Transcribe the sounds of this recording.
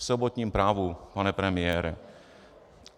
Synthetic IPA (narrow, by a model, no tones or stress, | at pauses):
sobot̪ɲiːmpɾaːvupanɛpɾɛmɪjɛːɾɛ